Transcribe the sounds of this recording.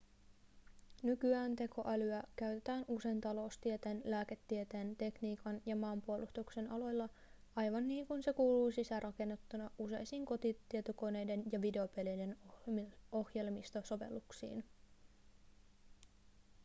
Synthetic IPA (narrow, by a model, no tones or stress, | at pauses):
nykyæːnt̪e̞ko̞ʔælyækæɥt̪e̞t̪æːnʔuse̞jnt̪ɑlo̞ːst̪iet̪eːnlæːke̞t̪ːiet̪eːnt̪e̞kniːkɑnjɑmɑːmpuo̞lʔust̪ukse̞nʔɑlo̞jlːɑ | ɑjʋɑnːiːŋkunse̞kuːluːsisæɾʔɑke̞nːet̪ːunɑʔuse̞̰jsiːŋko̞t̪it̪ːiet̪oko̞ne̞jde̞njɑʋide̞o̞pelejde̞n | o̞hje̞lmist̪oso̞ʋe̞̰lːˑuksḭːn